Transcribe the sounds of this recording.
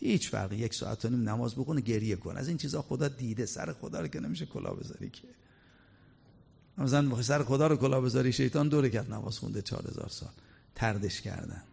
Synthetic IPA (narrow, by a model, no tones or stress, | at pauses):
hiːt͡ʃfæ̰ɾɣijeksɒ̰ːʔæ̰t̪ʰːoniːmnæmɒːzboxuneɟe̞ɾjekʰo̰nʔæ̰ziːnt͡ʃʰiːzhɒːxod̪ɒːd̪iːd̪esæ̰ɾexod̪ɒːɾokʲenemiːʃekʰolʔɒ̰ːbe̞zɒ̰ːɾḭːkʰe | mæms̬ælæns̬æɾexod̪ɒːɾokolɒːbe̞zɒːɾiːʃe̞jt̪ʰɒːnd̪oɾekʰæt̪næmɒ̰ːz̥xṵnd̪et͡ʃʰɒ̰ːɾhe̞̰zɒ̰ːɾsɒ̰ːl | t̪ʰæɾd̪eʃcʰæ̰ɾd̪æ̰n̥